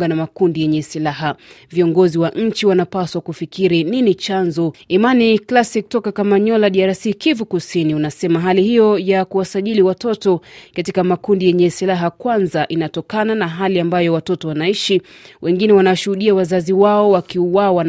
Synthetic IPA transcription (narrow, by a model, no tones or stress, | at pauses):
ɡanamakundijɛɲɛsilaɦa | viɔŋɡɔziwaʔɲ̩t͡ʃiwanapaswakufikiɾininit͡ʃanzɔimaniklasik̚tɔkakamaɲɔlaɗiaɾasikivukusiniunasɛmaɦalihijɔjakuwasaʄiliwatɔtɔkatikamakundijɛɲɛsilaɦakwanzaʔinatɔkananaɦaliambajɔwatɔtɔwanaiʃiwʔɛŋɡinɛwanawaʃuhuɗiawazaziwaɔwakiuwawan